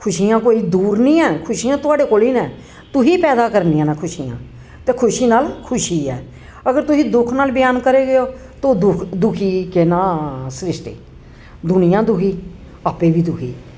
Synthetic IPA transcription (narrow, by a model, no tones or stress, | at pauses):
kʰʊʃiːjãːkoːiːd̪uːɾnĩːɛːkʰʊʃiːãːt̪ʊaːɖeːkoːliːnɛ̃ː | t̪ʊsiːpɛːd̪aːkəɾniːãːnãːkʰʊʃiːjã̰ː | t̪eːkʰʊʃiːnaːlkʰʊʃiːɛ̰ː | əɡəɾt̪ʊsĩːd̪ʊkʰnaːlbɪjaːnkəɾeːɡəjoː | t̪oːd̪ʊkʰd̪ʊkʰiːkenaːsɾɪsʈḛː | d̪ʊnɪjãːd̪ʊkʰiː | aːpeːbiːd̪ʊkʰḭː